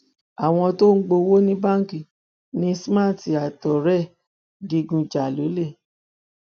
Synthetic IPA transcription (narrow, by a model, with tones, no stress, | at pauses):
a˨w̃ɔ̃˧to˦ŋ̩˦ɡ͡bo˧wo˦nĩ˦ba˦ŋ˨ki˨ | nĩ˧˦sma˦˨ti˨a˨tɔ˨ɾɛ˦˨ | di˧ɡũ˧d͡ʒa˨lo˨˦le˦˨